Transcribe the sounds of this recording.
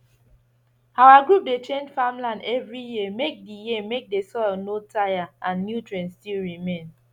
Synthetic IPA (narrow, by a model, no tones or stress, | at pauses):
awaɡɹup̚det͡ʃẽnd͡ʒfãmlãndɛvɹijiəmek̚dijimek̚desɔɪlnotʰajaãnːjutɹɛ̃nstilɹimẽn